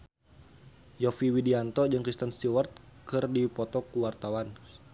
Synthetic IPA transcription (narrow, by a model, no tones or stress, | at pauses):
jɔfiwidiant̪ɔd͡ʒɨŋkɾist̪ənst̪iwart̪̚kɨrdipɔt̪ɔkuwart̪awan